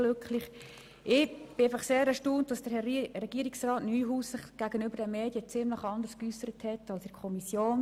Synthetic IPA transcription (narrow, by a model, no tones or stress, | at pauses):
løkχlɪχ | ʔɪb̥ɪaɪfɑχseːɾɛʃtuːntd̥ɑsd̥əɾrɛɡ̥iːəɪksrɑːtnyːɦuːsɪχɡ̥æɡ̥ənʏbəɾdɛmeːdjət͡sɪmləχɑndərskysəɾəthɛtɑlsɪkʰɔmisjoːn